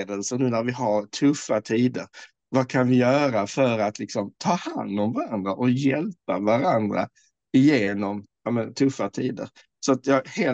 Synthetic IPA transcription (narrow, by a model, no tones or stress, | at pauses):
d̪əlsənʉ̟ːnæɾvɪɦaɾtʰɵfːat̪ʰiːd̪əɾ | vakʰanvɪjœːɾafœɾat̪lɪksɔmt̪ʰɑːha̰nd̪ɔmvaɾand̪ɾaʔɔjɛlpavaɾand̪ɾa̰ | ɪjeːnɔmjɑːmɛnt̪ʰɵfːat̪ʰiːd̪ə̰ɾ | sɔat̪jɑheː